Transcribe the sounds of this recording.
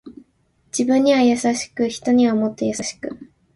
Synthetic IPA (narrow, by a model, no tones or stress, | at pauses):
d͡ʑibɯ̟̃ɲ̟ːiβajasaɕi̥kɯ̟çi̥t̪o̞ɲ̟iβamo̞t̪ːe̞jasaɕi̥kɯ̟